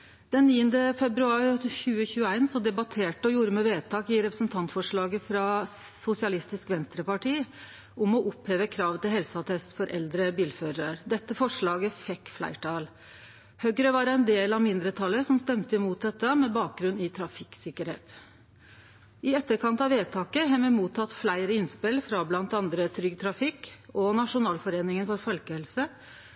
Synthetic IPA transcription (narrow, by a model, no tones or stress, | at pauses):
d̪̥ɛnːiːənd̪əfɛbɾʉɑːɾçʉːəçʉːəæɪnsɔd̪ɛbɑt̪ʰeːʈəɔjuːɾəmɛʋeːt̪ʰɑːkɪɾɛpɾə̥snt̪ʰɑnt̪fɔʂɭɑːɡəfɾɑsʊsɪɑlɪst̪ɪskʋɛnst̪ɾəpɑʈʰiː | ʊmɔʔʊpheːʋəkʰɾɑːʋt̪ɪlɦɛlsəɑt̪ʰɛst̪fɔɾʔɛld̪ɾəbiːlfœɾəɾd̪ɛt̪ːəfɔʂɭɑːɡəfɛkːflæ̰ɪʈʰɑːl | hœɡɾəʋɑɾæɪnd̪eːlɑmɪnd̪ɾət̪ʰɑlːəsɔmst̪ɛmt̪əɪmuːt̪̚d̪ɛt̪ːəmɛbɑːk̚ɡɾʉnːɪt̪ʰɾɑfɪksɪkːəɾhḛːt̪ | ɪɛt̪ːəɾkʰɑnt̪ɑʋeːt̪ʰɑːkəɦɛməmuːt̪ʰːɑt̪ːflæɪɾəɪnspɪlfɾɑblɑnt̪ɑnd̪ɾət̪ʰɾʏɡt̪ʰɾɑfɪkɔnɑʂʊnɑːlfɔɾeːnɪŋənfɔɾfɔlkəhɛlsə